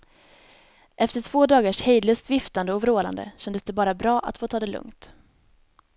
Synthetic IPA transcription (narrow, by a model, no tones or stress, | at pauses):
ʔɛft̪əʈʰv̥oːd̪ɑːɡaʂhejd̪ləsd̪vɪft̪and̪əɔvɾoːla̰nd̪ə̰ɕɛnd̪əsd̪ɛbɑːɾabɾɑːʔa̰t̪foːt̪ʰɑːd̪ɛlɵ̰ŋt̪